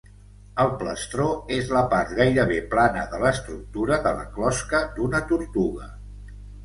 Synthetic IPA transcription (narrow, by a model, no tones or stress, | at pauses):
əlˠpləst̪ɾoezləpart̪ɣajɾəβ̞eplanəðələst̪ɾuk̚t̪uɾəðələ̰klɔskəd̪unət̪uɾt̪uɣ̞ə